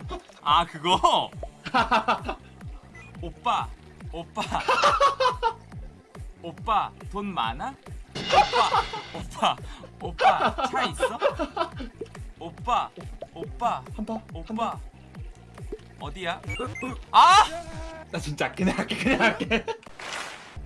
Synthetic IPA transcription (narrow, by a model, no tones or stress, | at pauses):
akɯɡʌ | op͈a | op͈ːa | op͈aponma̰na | opaopaaais͈ʌ | op͈aop͈ːahambʰahama | ʌdija | a | dat͡ɕint͡ɕ͈ak͈eneak͈ekɯɲaŋak͈e